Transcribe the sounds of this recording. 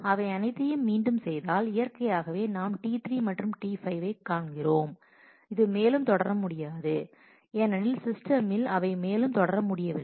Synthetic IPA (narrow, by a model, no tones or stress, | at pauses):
ɐʋɐɪɐnɐɪt̪ːɐjɯmːiːɳɖɯmsɛjðaːlɪjɐɾkɐjaːɣɐʋeːnaːmʈiːt̪ɾimɐʈrɯmʈiːfɐɪʋɐɪkːaːɳɡɪroːm | ɪðɯmeːlɯmt̪ɔɽɐɾɐmʊɽɪjaːðɯ | ɛnɐnɪlsɪsʈɐmɪlɐʋɐɪmeːlɯmt̪ɔɽɐɾɐmʊɽɪjɐʋɪ